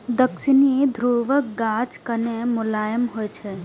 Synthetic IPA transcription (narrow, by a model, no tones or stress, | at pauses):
d̪əksɪnid̪ʱɾuːʋəkɡaːd͡ʒkɐnemʊlaːjəmɦojt͡ʃʰe